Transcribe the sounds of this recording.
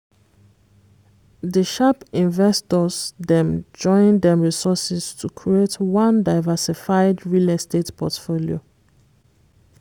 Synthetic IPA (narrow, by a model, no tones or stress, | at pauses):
ðəʃapĩnvɛstɔsdɛ̃md͡ʒɔ̃ɪ̃ndɛ̃mɹisɔsɛstʰukʰɹietʰwãndaɪvɛsifaɪdɹilɛstetpʰɔtfolio̰